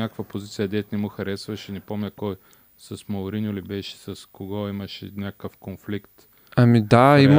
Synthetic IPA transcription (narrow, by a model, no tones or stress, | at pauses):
nʲakəkvɐpozit̪sijɐd̪ɛt̪nɛmuxɐɾɛsvɐʃɛnɛpomnʲəkɔj | sɐsmɐʊɾinʊlibɛʃɛ̥sɐskoɡɔimɐʃɛ̰nʲakəkəfkonflikt̪ | ɐmid̪aim